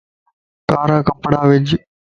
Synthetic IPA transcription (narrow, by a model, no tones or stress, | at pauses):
kaːɾaːkəpɽaːʋɪd͡ʒ